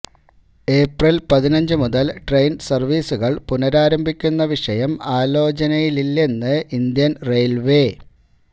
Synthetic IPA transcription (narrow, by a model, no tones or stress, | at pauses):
e̞ːprilpɐðinɐɲd͡ʑɨmuðɐlʈrejnsɐrʋiːsuɣɐɭpunɐɾaːɾɐmbʱikʲːunːɐʋiʂɐjɐmaːlo̞ːt͡ɕɐnɐjililːe̞nːɨind̪jɐnrejlʋe